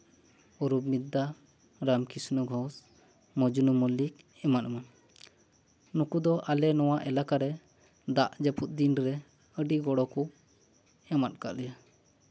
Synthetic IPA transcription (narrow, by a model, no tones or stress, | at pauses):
ɔɾubmid̪a | ɾamkisnɔɡʱɔs | mɔd͡ʒunumɔlik̚ | ɛmat̪̚man | nukud̪ɔʔalɛnɔwaʔɛlakaɾɛ | d̪aʔd͡ʒəput̪̚d̪inɾɛ | əɖiɡɔɽɔkɔ | ɛmat̪̚ka̰ʔlɛja